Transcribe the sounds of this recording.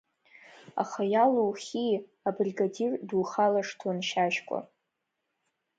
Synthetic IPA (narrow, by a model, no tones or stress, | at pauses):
a̰χajaluwχʲi | abriɡadirduːχalaʂtʰanʃaʃkʷʼa̰